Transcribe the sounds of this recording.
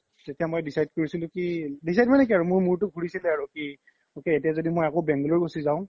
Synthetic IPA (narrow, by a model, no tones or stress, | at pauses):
tetijamojdisajd̚koɹisilʊ̃kidisajdmanɛk̬iaɹumʊɹmuɹtʊɡʱuɹisilɛaɹuki | okɛetiazodimojakobɛŋɡlɔɹbosizaʊ̃